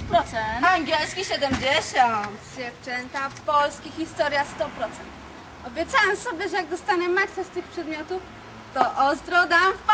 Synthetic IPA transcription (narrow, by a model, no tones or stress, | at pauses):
pɾɔt̪sɛnaŋɡʲɛlskʲiɕɛd̪ɛmd͡ʑeɕɔnt̪ɕɛft͡ʂɛɲt̪apɔlskʲixʲist̪ɔɾʲjast̪ɔpɾɔt̪sɛnt̪ | ɔbʲjɛt̪sawamsɔbʲjɛʐɛjaɡ̚d̪ɔst̪aɲɛmaksɛst̪ɘxpʂɛd̪mʲjɔt̪uf | t̪ɔʔɔst̪ɾɔd̪amf